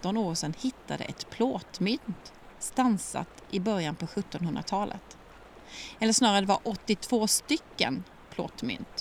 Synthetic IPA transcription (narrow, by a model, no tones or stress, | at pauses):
t̪ɔnoːʂɛnhɪt̪ːad̪ə̰ʔɛt̪pʰloːt̪mʏnt̪ | st̪ansa̰t̪ʔɪbœɾjanpʰɔɧɵt̪ːɔnhɵnd̪ɾat̪ʰɑːlʔə̰t̪ | ɛlːəʂnɑːɾad̪ɛvaɾʔɔt̪ːɪt̪ʰv̥oːst̪ʏkːə̰n | pʰlo̰ːt̪mʏ̰nt̪